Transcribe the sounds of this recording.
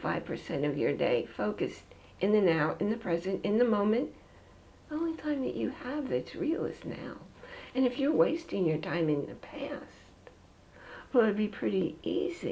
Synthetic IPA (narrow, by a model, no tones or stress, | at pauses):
faɪv̥pʰə˞sɛ̃ɾ̃ʌvjə˞dḛɪfoʊkɨst | ʔɨ̃nðɨnaʊɨ̃nðɨpʰɹ̥ɛzɨ̃ntɨ̃nðɨmõʊ̃mɨ̃nt | iõʊ̃nlitʰãɪ̃mðɨ̰t͡ʃɨəvðɨtsɹil̩ˠɨ̰zna̰ʊɨ̃nɨfjə˞weɪstɪ̃ŋjə˞tʰãɪ̃mɨ̃nðɨ̰pʰæs | t | wəɨd̚bipʰɹ̥ɪɾiʔḭzḭ